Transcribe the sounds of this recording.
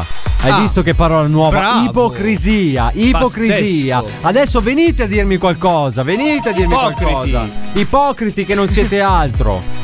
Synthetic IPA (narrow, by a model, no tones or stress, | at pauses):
ajvist̪ok̟eɛpːaɾɔːlanwɔːvaipokɾiziːaʔippokɾiziːa | ad̪ɛsːoveniːt̪ead̪ːirmikwalkɔːzavenit̪ead̪ːirmiwalkɔːza̰ipɔːkɾit̪ik̟enːonsjɛːt̪ealt̪ɾo̰